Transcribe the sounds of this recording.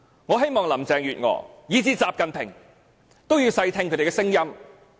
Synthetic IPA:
ŋɔː˨˧ɦe˥jmɔː˨ŋlɐ˨˩mt͡sɛː˨˧ŋjyː˨t̚ŋɔ̰ː˨˧jiː˨˧t͡siː˧t͡saː˨p̚kɐ˨npʰɪ˨˩ŋ | t̪o˥wjiː˧wsɐ˧jt̪ʰɪ˧ŋkʰɵ˨˥t̪e˨˩kɛ˧sɪ˥ŋjɐ˥m

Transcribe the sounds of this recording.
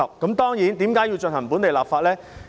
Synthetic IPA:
ɐ˨p̚kɐ˨˥mt̪ɔː˥ŋjiː˨˥nt̪iː˨˥mkaː˨˥ji˧wt͡ʃɵ˧nhɐ˨˩ŋpuː˨˥nt̪e˨jlaː˨pfaː˧t̚lɛː˥

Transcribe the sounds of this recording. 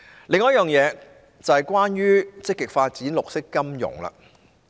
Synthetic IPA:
lɪ˨ŋɔː˨˦j̚jœː˨ŋjɛː˨˧ | t͡sɐ˨hɐ˨jkʷaː˥nɥyː˥t͡sɪ˥kːɪ˨k̚faː˧t̚t͡siː˨˥nlʊ˨k̚sɪ˥kːɐ˥mjʊ̰˨˩ŋlɐ̰˧

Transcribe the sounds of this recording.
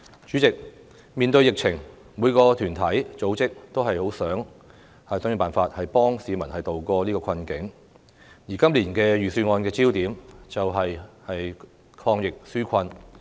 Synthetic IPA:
t͡ʃyː˨˥t͡sɪ˨k̚ | miː˨˧nt̪ɵ˧ɥjɪ˨k̚t͡sʰɪ˨˩ŋ | muː˨˧jkɔː˧t̪ʰyː˨˩nt̪ʰɐ˨˥jt͡so˨˥wt͡sɪ˥k̚t̪o˥wɦɐ˨jho˨˥wsœː˨˥ŋ | hɐ˨jsœ˨˥ŋː˥˧paː˨nfaː˧t̚hɐ˨jpɔː˥ŋsiː˨˧mɐ˨˩nhɐ˨jt̪o˨wkɔː˧liː˥kɔː˧kʰɐ˧nkɪ˨˥ŋ | jiː˨˩kɐ˥mliː˨˩nkɛː˧ɥyː˨syː˧ŋɔː˧nkɛː˧t͡siː˥wt̪iː˨˥mt͡sɐ˨wɦɐ˨jhɐ˨j | kʰɔː˧ŋjɪ˨k̚syː˥kʰɐ˧n

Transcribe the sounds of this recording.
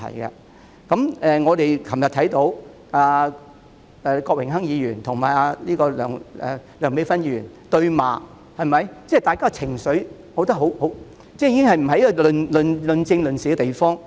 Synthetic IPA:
ɐ̰˨˩jkɐ̰˧ | kɐ˨˥mɛː˨ŋɔː˨˧t̪e˨jkʰɐ˨˩mjɐ˨t̪ʰɐ˨˥jt̪o˨˥w | aː˨˧ | ɛ˨kɔː˧k̚wɪ˨˩ŋɦɐ˥ŋjiː˨˧jyː˨˩nt̪ʰʊ˨˩ŋmaː˨˩ja˧liː˥kɔː˧lœ̰ː˨˩ŋɛ̰ː˨lœː˨˩ŋme˨˥jfɐ˥njiː˧yː˨˩n | t̪ɵ˧ɥma̰ː˨ | hɐ˨jmɐ˨jt͡sɛ˥˨˩t̪aː˨jkaː˥kːt͡sʰɪ˨˩ŋsɵ˨˥ɥ | ho˨˥wt̪ɐ˥ɦo˨˥who˨˥w | t͡sɛː˥jiː˧˥kɪ˥ŋhɐ˨jm̩˨˩ɦɐ˨jkːɔ˧lɵ˨nlɵ˨nlɵ˨˧nt͡sɪ˧ŋlɵ˨nsiː˨˩kɛ˧t̪e˨˩jfɔː˥ŋ

